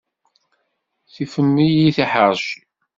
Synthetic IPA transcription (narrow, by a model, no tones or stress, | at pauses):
θifənːijiθiħəɾs